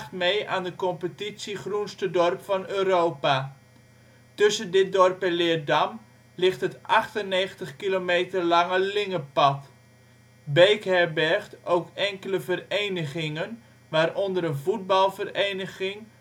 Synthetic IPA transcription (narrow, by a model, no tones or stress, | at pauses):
tmejʔaːndəkɔmpətitsiχrunstədɔrpfɑnøːɾowpa | tɵsəndɪt̚dɔrpɛnlɪədɑm | lɪχtɦətʔɑχtəneːχəntəχkilomejtərlɑŋəlɪŋəpɑt | bejkɦɛrbɛrχtʔowkɛŋkələvərejnəχɪŋən | ʋaːrʔɔndəɾənvud̚bɑlˠvərejnəɣɪŋ